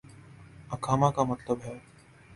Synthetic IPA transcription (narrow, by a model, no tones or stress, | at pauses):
ɐkʰaːmakamət̪ləbɦɛː